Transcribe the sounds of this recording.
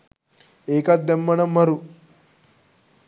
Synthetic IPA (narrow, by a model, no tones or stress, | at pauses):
eːkat̪̚d̪emːɐɳɐmːɐɾu